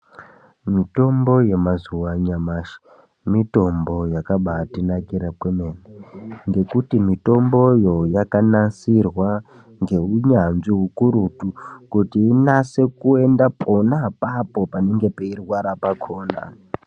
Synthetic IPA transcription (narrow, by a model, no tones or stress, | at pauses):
mito̞mbo̞je̞mazuwaɲamaːʃi̥ | mito̞mbo̞jakaɓatinakiɾapwemeneŋɡe̞kutimito̞mbo̞jo̞jakanansirwa | ŋɡe̞uɲanʐiɦukuɾutukutiːnase̞kue̞ndaponapapo̞pane̞ŋɡe̞peirwaɾapakʰo̞ːna̰